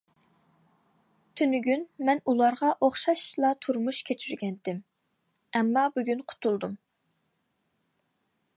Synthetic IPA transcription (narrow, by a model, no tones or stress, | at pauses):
t̪ʰynyɡʲynmɛnulˠɑɾʁɑʔoχʃɑʃlˠɑt̪ʰuɾmuʃkʲʰet͡ʃʰyɾɡʲɛnd̪ɪm | ɛmːɑbyɡʲynqʰʊ̥t̪ʰulˠd̪um